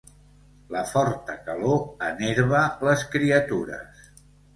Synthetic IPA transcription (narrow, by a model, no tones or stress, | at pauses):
ləfɔɾt̪əkəloəneɾβələskɾiət̪uɾə̰s